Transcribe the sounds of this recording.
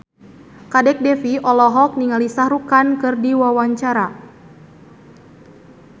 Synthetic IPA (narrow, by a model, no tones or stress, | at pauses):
kadɛk̚dɛfiʔɔlɔɦɔk̚niŋalisahɾukankɨrdiwawaɲt͡ʃaɾa